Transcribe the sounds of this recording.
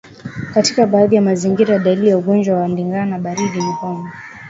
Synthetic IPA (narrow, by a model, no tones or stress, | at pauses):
katikaɓaːðijamaziŋɡiɾajaɗalilijauɠɔnd͡ʒwawamliŋɡanaɓaɾiɗim̩kɔŋɡɔ